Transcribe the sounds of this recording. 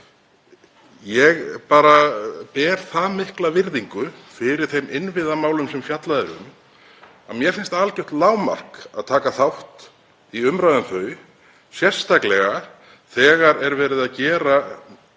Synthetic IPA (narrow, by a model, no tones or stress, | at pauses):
jɛɣpaːɾapɛːɾ̥θaðmɪhklavɪɾðiŋkʏfɪɾɪɾ̥θejmʔɪnvɪðamaːwlʏmsɛmfjat̪laðɪɾʏ̰m | a̰ðmjɛɾ̥fɪnst̪alcɛwht̪laːwma̰r̥kaðt̪ʰaːkaθawht̪ | iʏmɾaːðʏmθœːɥj | sjɛr̥st̪ʰaklɛɣa | θɛːɣaɾɛɾvɛːɾɪðaðcɛːɾa